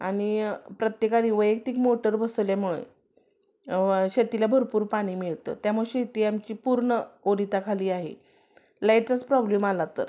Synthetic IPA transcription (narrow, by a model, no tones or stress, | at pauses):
aɽ̃ipɾət̪jekaniːʋəjek̚t̪iːkmoʈəɾbəsljamuɭḛ | ɕet̪ilabʱəɾpuːɾpaɽ̃iːmiɭt̪ə̰ːt̪jamuɭeɕet̪iːamt͡ɕiːpuɾɳəoɾit̪akʰaliːaɦḛ | lajʈ̚t͡sat͡spɾɔblemalat̪əɾ